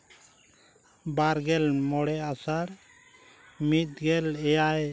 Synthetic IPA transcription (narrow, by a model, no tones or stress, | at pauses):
baɾɡɛlmɔɽɛʔasaɾ | mit̪̚ˀɡɛlɛjaj